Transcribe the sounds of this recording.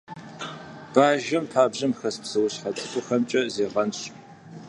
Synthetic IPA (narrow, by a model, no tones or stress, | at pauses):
b̥aːʒɐmpʰaːbʑɐmxɐspsɨwʊɕħɐt͡sʼɨkʷʼʊxɐmt͡ʃʼɐzeːʁɐnɕ